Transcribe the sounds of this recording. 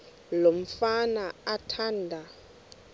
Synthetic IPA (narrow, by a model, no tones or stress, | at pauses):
lom̩fanaatʰaːndʱa